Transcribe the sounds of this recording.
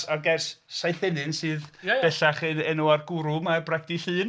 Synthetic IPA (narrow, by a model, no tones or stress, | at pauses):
aɡɛrsːajθɛnɨnsɨːð̥ɛɬaχɨnɛnuarɡʊɾʊmabraɡ̚d̥iɬɨːn